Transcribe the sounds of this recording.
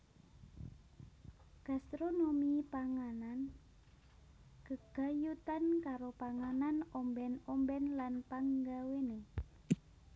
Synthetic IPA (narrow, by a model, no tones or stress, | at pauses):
ɡ̥ast̪ɾonomipaŋanan | ɡ̥əɡ̥ajut̪ankaɾopaŋananɔmbɛnɔmbɛnlanpaŋɡawene